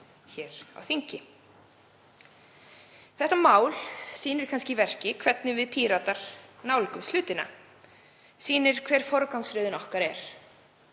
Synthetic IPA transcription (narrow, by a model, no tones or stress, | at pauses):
çɛːɾ̥a̰wθiɲcɪ | θɛht̪amaːwlsiːnɪɾ̥kʰanscɪvɛr̥cɪkʰv̥ɛt̪nɪvɪðpʰiːɾat̪aɾ̥naːwlikʏmst̪ʏːt̪ɪna̰ | siːnɪɾ̥kʰvɛːɾ̥fɔɾʏkawŋsɾʏːðɪnɔhkaɾɛɾ̥